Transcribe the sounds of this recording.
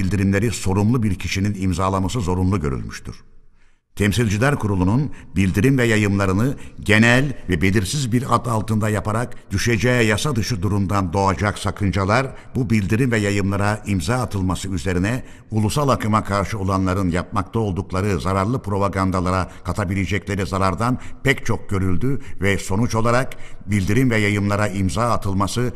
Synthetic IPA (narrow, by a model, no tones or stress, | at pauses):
ilʲd̪iɾimlʲe̞ɾiso̞ɾumlˠubiɾcʰiʃininimzaːlˠamasɯzo̞ɾumlˠuɟøɾy̰lʲmyʃt̪ʰy̰ɾ̥ | t̪ʰɛmsilʲd͡ʒilʲæɾkʰuɾulˠununbilʲd̪iɾimvɛjajɯmlˠaɾɯnɯɟe̞nælʲvɛbe̞lʲiɾsizbiɾad̪alˠt̪ɯnd̪ajapʰaɾakd̪̥yʃed͡ʒɛjɛjasad̪ɯʃɯd̪uɾumd̪and̪o̞ad͡ʒaksakʰɯnd͡ʒalˠaɾ | bubilʲd̪iɾimvɛjajɯmlˠaɾaimzaːt̪ʰɯlˠmasɯyze̞ɾinɛ | ulˠusalˠakɯmakʰaɾʃɯo̞lˠanlˠaɾɯnjap̚mak̚t̪ʰao̞lˠd̪uklˠaɾɯzaɾaɾlˠɯpɾo̞paɡand̪alˠaɾakʰat̪ʰabilʲed͡ʒɛclʲe̞ɾizaɾaɾd̪anpʰɛct͡ʃʰo̞k̚ɟ̥ø̞ɾylʲd̪yvɛso̞nut͡ʃo̞lˠaɾakbilʲd̪iɾimvɛjajɯmlˠaɾaimzaːt̪ʰɯlˠmasɯ